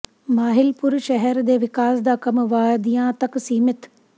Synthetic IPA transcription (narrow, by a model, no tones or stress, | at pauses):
maːɦɪlpʊɾʃɛɦɛɾd̪eːʋɪkaːsd̪aːkɐmʋaːd̪ijãt̪ɐksiːmɪt̪